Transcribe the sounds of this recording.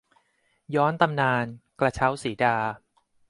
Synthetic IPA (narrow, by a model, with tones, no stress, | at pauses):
jɔː˦˥nt̪a˧mnaː˧nkla˧t͡ɕʰa˦˥wsiː˩˦daː˧